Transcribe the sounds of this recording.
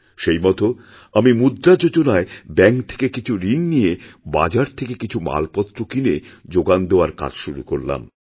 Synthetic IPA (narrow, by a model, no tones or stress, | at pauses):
ʃejmɔt̪o | amimud̪ɾad͡ʑod͡ʑonaebɛŋkt̪ʰe̥kekit͡ɕʰuɾinːijeba̰d͡ʑaɾt̪ʰekekit͡ɕʰuma̰lpɔt̪ːɾokined͡ʑoɡand̪eoaɾka̰d͡ʑʃuɾukoɾla̰m